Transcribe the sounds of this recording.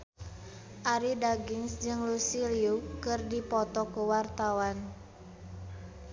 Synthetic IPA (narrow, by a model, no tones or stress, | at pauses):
ʔaɾidaɡinsd͡ʒɨŋlusiliukɨrdipɔt̪ɔkuwart̪awan